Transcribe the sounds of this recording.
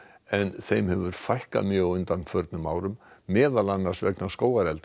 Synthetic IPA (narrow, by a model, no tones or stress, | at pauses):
ɛnθejmhɛvʏɾ̥fajhka̰mjœːɣʏnt̪anːfœɾt̪nʏmaːwɾʏmːɛːðalanːaɾ̥svɛknaskoːwaɾɛlt̪